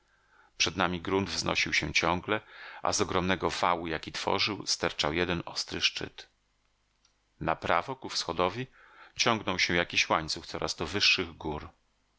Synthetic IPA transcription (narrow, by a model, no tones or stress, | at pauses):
pʂɛd̪namʲiɡɾund̪vznɔ̰ɕiwɕɛt͡ɕɔŋɡlɛʔa̰zɔɡɾɔmnɛɡɔvawujakʲit̪fɔ̰ʐɘwst̪ɛɾt͡ʂawjɛd̪ɛnɔst̪ɾɘʂt͡ʂɘ̰t̪ | napɾavɔkufsxɔd̪ɔvʲi | t͡ɕɔŋɡnɔwɕɛ̃jakʲiɕwaɲt̪suft̪sɔɾʔa̰zd̪ɔvɘʂːɘɣɡuɾ